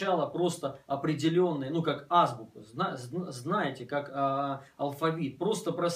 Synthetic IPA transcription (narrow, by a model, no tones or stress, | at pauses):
alˠəpɾo̞st̪əɐpɾʲɪdʲɪlʲo̞nːɨjənukakazbʊkəznazznajɪtʲɪkak | ɐlˠfɐvʲit̪̚pɾo̞st̪əpɾɐs